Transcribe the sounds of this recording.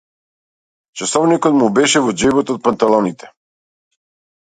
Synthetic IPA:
t͡ʃasɔvnikɔt̪mubɛʃɛvɔd͡ʒɛbɔt̪ɔt̪̚pant̪alˠɔnit̪ɛ̥

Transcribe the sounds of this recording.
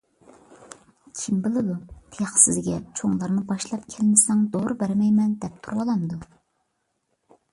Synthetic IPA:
kʲʰimbɪlˠɨd̪ut̪ʰjχsɪzɡʲɛt͡ʃʰoŋlˠɑɾnɨbɑʃlˠɑpkʲʰɛlɪnɪsɛŋzoɾɨbæɾmɛjmɛnd̪ɛp̚t̪ʰuɾwɑlˠɑmd̪u

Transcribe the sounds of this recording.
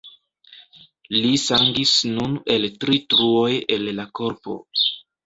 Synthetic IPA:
lisaŋɡisnune̞ltɾitɾuo̞je̞lːako̞ɾpo̞̰

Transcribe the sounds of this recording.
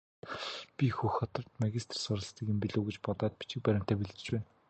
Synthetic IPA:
pʲixuxɔt̪ɞ̆rt̪maɣʲist̪ʰrsʊɾə̆ɮst̪ĭːkĕmpʲiɮoːɣĕt͡ɕpɔt̪ɔːt̪̚pi̥t͡ɕɪ̆k̚pæɾʲɪ̆m̥t̪æːpiɮɘ̆t͡ɕ̆t͡ɕpæːn

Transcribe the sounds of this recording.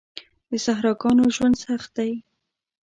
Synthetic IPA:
d̪əsaɦɾɑɡɑnoʒwand̪saxt̪̚d̪aj

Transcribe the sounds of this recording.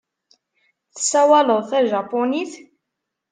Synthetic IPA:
θə̥sːæwæləðˤθæʒɑponiθ

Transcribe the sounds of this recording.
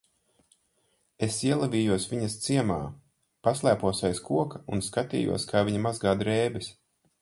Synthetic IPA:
esiɛlˠɛvʲiːjuɔsvʲiɲɐst̪siɛmaː | paslˠæːpuɔsajskuɔkɐunskat̪ḭːjṵɔskʰaːviɲɐmazɡaːd̪ɾɛːbis

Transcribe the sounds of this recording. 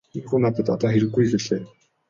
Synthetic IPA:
inxuːnap̪ə̆t̪ɔt̪ɔːxeɾɘ̆ɡːujpeɮeː

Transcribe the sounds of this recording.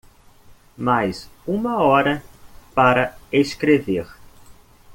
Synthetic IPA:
majzũmɐɔɾɐpaɾɐeskɾeveɾ

